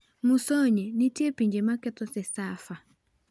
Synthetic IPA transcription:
musɔɲɛnitiɛpiɲd͡ʒɛmakɛtɔsɛsafa

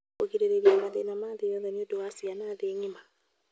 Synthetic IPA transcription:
okiɾeɾeɾiamaðenamaðejɔðɛniodowasianaːðeɲima

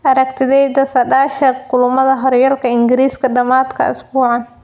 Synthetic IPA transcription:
ʔɐɾɐkt̪ʰɪðɛjd̪ɐsɐɖaːʃɐkʊlʊmɐðɐɦɔɾjɐlkʰɐɪŋɡɪɾiːskʰɐɖɐmaːd̪kʰɐ̰ʊ̰sbuːʕɑn

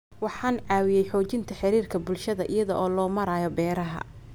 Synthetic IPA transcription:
wɑħɑːnʕɑːwɪjɛjħɔːt͡ʃɪnt̪ʰɐħɪɾiːrkʰɐbʊlʃɐðɐʔɪjɐðɔʔɔːlɔːmɐɾaːjɔbɛːɾɐɦɐ̰

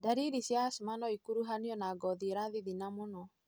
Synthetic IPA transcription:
daɾiɾisjasumanɔikuɾuɦaniɔnaɡɔðieɾaðiðinamonɔ

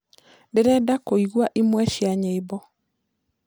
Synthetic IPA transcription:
ndeɾɛdakoiɣwaʔimwɛʃjaɲebɔ

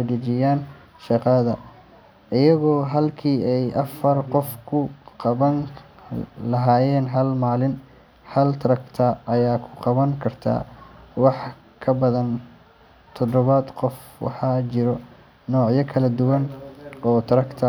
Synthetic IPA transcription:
ɖɐt͡ʃɪjaːn | ʃɑqɑðɐ | ʔɪjɐɣɔːɦɐlkʰiːɛjʔɐfɐrqɔfkʰʊqɑβɐŋ | lɐɦaːjɛːnɦɐlmaːlɪn | hɐlt̪ʰɾɐkt̪ʰɐʔɐjaːkʰʊ̥qɑβɐŋkʰɐrt̪ʰa̰ːwɑħ | kʰɐbɐðɐn | t̪ʰɔd̪ɔβɐd̪qɔfwɑ̰ħɑːt͡ʃɪɾɔ | nɔːʕjɐkʰɐlɐd̪ʊwɐnɔːt̪ʰɾɐkt̪ʰɐ

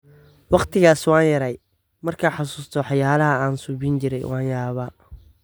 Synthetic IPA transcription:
wɑqt̪ʰɪɣaːswɑːnjɐɾɛj | mɐrkʰaːħɑsuːst̪ʰɔwɑħjaːlɐɦɐaːnsuːbint͡ʃɪɾɛ̰jwʔɑːnjaːβaː

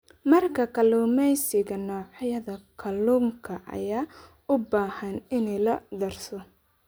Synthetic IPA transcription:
mɐrkʰɐkʰɐluːmɛjsɪɣɐnɔːʕɑjɐðɐkʰɐluːŋkʰɐʔɐ̰jaː | ʊbaːhɐnɪnɛjlɐd̪ɐrsɔ

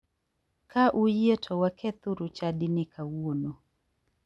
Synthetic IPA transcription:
kʰaʔujietʰɔwakʰɛt̪ʊɾʊt͡ʃadɪnɪkʰawuono

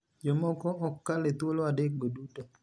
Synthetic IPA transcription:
d͡ʒomɔkɔɔkːalet̪wolɔadek̚ɡoduto

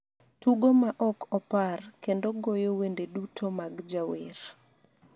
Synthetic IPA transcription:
tuɡomaʔɔkʰɔparkendoɡojowendedutʰomaɡd͡ʒaweɾ

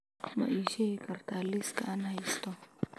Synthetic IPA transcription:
mɐ̰ʔiːʃɛkɐɾt̪ʰaːlːiskɐ̰ʔanhɐjɪst̪ɔ

